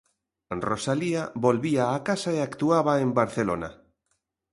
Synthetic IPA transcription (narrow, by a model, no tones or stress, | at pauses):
rosaliaβolβiaːkasaeakt̪uaβaembaɾθelo̰na̰